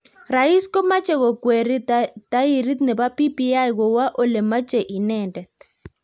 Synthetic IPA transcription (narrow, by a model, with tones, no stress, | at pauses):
ra˨i˦skɔ˦ma˦t͡ʃɛ˦˨ɣɔ˨kwe˨ɾi˦t̪a˦i˨ɾi˦t̪nɛ˨ba˦pi˦pi˦a˦jɣɔ˨wa˦ʔo˦lɛ˨ma˦t͡ʃɛ˨ʔi˨nɛ˦˨ndɛ˨t̪̚